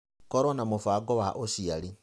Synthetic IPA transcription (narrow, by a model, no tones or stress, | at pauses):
kɔɾɔnamofaːɡɔwaʔosiaɾi